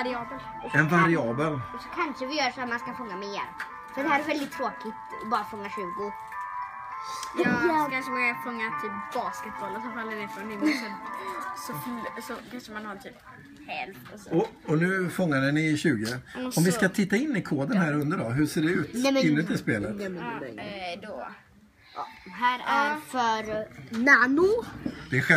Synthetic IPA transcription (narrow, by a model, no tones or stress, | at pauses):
ɾɪɑːbəl | ɛnvaɾɪɑːbəlsɔkʰanʂəvɪjœːɖfɾat̪manskafɔŋːameːɾ | sɔd̪ɛhæːɾɛvɛld̪ɪt̪ʰːɾoːkɪt̪ɔbɑːɾafɔŋːaʂʉ̟ːɡʊ | jkʰanʂəmaafɔŋːat̪ʰyːpb̥ɑːskɛt̪̚bɔlɔsɔfald̪ɛnɛfɔnɪmsɔsɔsɔkʰanʂəmanhaɾt̪ʰyːp | hɛlft̪ɔsɔ | ɔnʉ̟ːfɔŋːaɖɛnɪɕʉ̟ːɡɪɔmvɪskat̪ʰɪt̪ːaɪnːɪkʰoːd̪ənɦæːɾɵnd̪əɖɔɦɵ̟seːɖɛʉ̟ːt̪nɛmɪnːət̪ʰːɪspeːlət̪ɛmɛɛ̰d̪o | ɦæːɾæfœɾnanʊd̪ɛːɧɛ